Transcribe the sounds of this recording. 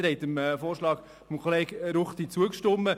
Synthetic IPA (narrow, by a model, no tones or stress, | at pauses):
ɾɛɪtəmːfoːrʃlɑːk | fɔmkʰχɔleːɡɾʊχt̪it͡suəkʃtʊmːə